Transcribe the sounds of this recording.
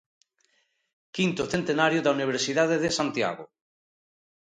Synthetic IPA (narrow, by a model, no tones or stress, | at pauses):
kint̪oθent̪enaɾjoðauniβ̞eɾsiðaðeðesant̪ja̰ɣo̰